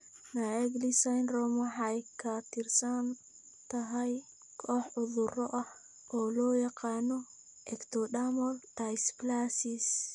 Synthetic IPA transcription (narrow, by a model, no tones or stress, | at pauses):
naɛɡlisajnrɔmɐħɑjkʰat̪ʰɪrsɐn | t̪ʰɐɦɐj | kʰɔħʊðʊɾɔʔɐh | ɔːlɔːjɑqɑːnɔ | ʔɛkt̪ʰɔɗamɔld̪ajsklasis